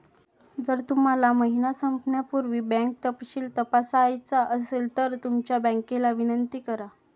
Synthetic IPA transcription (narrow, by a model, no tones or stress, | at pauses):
d͡zəɾt̪um̤alaməɦinasəmpnjapuɾʋiːbɛ̃ŋk̚t̪əpɕiːlt̪əpasːjt͡saʔəselt̪əɾt̪umt͡ɕjabə̃ŋkelaʋinənt̪iːkəɾa